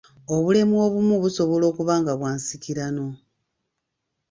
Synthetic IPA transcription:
o̞βule̞mo̞ːβumuβuso̞βo̞lo̞ːkuβaːŋɡaβwaːnsiciɾano̞

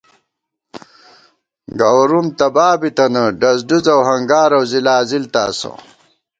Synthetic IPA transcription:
ɡɐwɾumt̪ɐbaːbit̪ɐnɐɖɐzduzɐwɦɐŋɡaːɾɐwzilaːzilt̪a̰ːsɐ̰

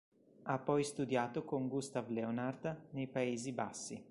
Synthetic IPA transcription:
apːɔjst̪ud̪jaːt̪okoŋɡust̪avleonard̪nejpaeːzibasːi

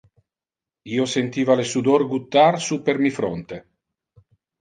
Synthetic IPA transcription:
iːosent̪iːvalesud̪orɡut̪ːarsupermifɾo̰nt̪e

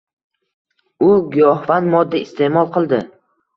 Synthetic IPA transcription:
ʊɡjɒhvanmɒd̪ːaɪst̪ʰe̞mɒlˠqʰɨlˠd̪ɪ

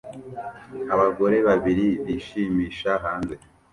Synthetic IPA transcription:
aβaɡo̞ɾe̞βaβiɾiβiːʃiːmiːʃaɦaːnze

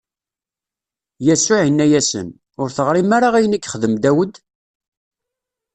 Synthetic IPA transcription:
jæsʊʕinːæjæsə̰n | ʊɾθəʁɾimaɾaʁæjənəkːχəðəmd̪æwəd̪

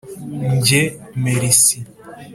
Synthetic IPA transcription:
ɲɟemeɾisi

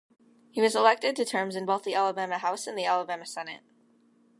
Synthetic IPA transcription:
hiwʌzəlɛk̚tɨd̚tɨtʰɜ̃˞mzɨ̃nboʊθðiʔælˠəbæmɨɦaʊsɨ̃nðiælˠəbæmɨsɛnɨ̰t̚

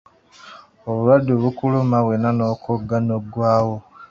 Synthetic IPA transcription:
oβulwadːoβukulumaβwenanokoɡːanoɡwaːwo

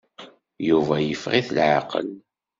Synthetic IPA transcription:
juvæjəfʁiθlʕaqə̰l

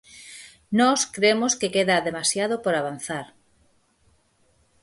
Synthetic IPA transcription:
nɔskɾemoskekeðaðemasjaðopoɾaβ̞an̟θaɾ

